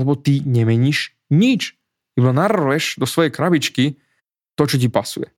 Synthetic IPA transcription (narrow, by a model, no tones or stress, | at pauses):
lɛbɔt̪iɲɛmɛɲiʃ | ɲit͡ʃ | kɛbanar̩ʋɛʃd̪ɔsʋɔjɛjkɾabit͡ʃki | t̪ɔt͡ʃɔc̬ipasujɛ̰